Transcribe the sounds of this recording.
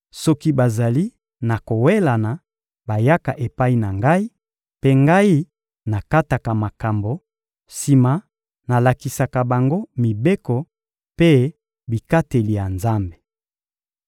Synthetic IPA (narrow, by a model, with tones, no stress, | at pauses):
sɔ˦ki˦ba˨za˨li˦ | na˨ko˨we˦la˨na˨ | ba˨ja˦ka˨ʔe˨pa˦i˦na˨ŋɡa˦i˦ | pe˦ŋɡa˦i˦ | na˨ka˦ta˨ka˨ma˨ka˨mbo˨ | si˨ma˨ | na˨la˨ki˨sa˨ka˨ba˨ŋɡo˦mi˨be˦kɔ˨ | pe˦ | bi˨ka˦te˨li˨ja˨nza˦mbe˨